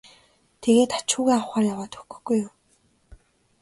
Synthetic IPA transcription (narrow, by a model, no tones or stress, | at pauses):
t̪ʰeɣeːt̪ḁt͡ɕʊːɣeːawχaːrjawaːt̪ɵ̥kɵ̥̆xɡ̥ujːʊm